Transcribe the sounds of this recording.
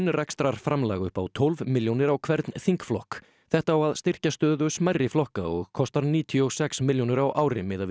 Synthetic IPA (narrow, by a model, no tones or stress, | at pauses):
nrajkst̪ɾaɾ̥fɾamlaːɣʏhpa̰wt̪ʰɔlvmɪljonɪɾawkʰvɛɾt̪nθiŋkflɔhk | θɛht̪aːwaðst̪ɪr̥cast̪œːðʏsmajrːɪflɔhka̰ɔ̰ɣkʰɔst̪aɾniːt̪ʰiɔɣsɛksmɪljownɪɾawʔaːwɾɪmɪːða